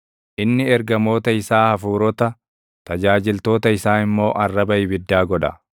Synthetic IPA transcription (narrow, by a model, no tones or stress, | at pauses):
ʔɪnːɪɛɾɡɐmo̞ːt̪ɐɪsaːhɐfuːɾɔt̪ɐ | t̪ɐd͡ʒaːd͡ʒɪlt̪o̞ːt̪ɐɪsaːɪmːo̞ːʔɐrːɐbɐʔɪbɪd̪ːaːɡɔᶑɐ̰